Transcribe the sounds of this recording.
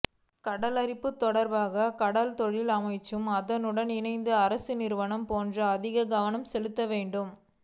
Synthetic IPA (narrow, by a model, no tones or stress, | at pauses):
kɐɽɐlɐɾɪpːɯt̪ːɔɽɐɾbaːɣɐkɐɽɐlt̪ɔɻɪlɐmɐɪt͡ʃːɯmɐðɐnɯɽɐnɪnɐɪnd̪ɯɐɾɐsɯnɪɾɯʋɐnɐmpoːndrɐːðɪɣɐɡɐʋɐnɐmsɛlɯt̪ːɐʋeːɳɖɯm